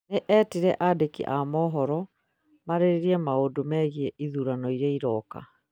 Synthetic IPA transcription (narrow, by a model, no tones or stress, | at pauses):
neʔɛːtiɾɛʔadekḭʔamɔɦɔɾɔ | maɾeɾeɾiɛmaodomɛɣiɛʔiðuːɾanɔiɾaiɾɔːka̰